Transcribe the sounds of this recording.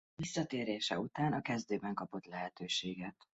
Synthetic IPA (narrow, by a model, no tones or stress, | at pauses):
visːɒt̪eːɾeːʃɛut̪aːnɒkɛzd̪øːbɛŋkɒpo̞t̪lɛɦɛt̪øːʃeːɡɛt̪